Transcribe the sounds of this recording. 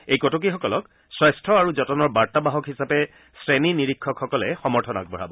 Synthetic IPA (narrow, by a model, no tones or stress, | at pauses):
ejkɔtok̬ixɔkɔlɔk | swajstʰɹɔaɹuzɔtɔnɔɹbaɹtabaɦɔkɦisapɛ | sɹeniniɹikʰːɔkxɔkɔlɛxɔmɔɹtʰɔna̰k̚bʱɔɹa̰bɔ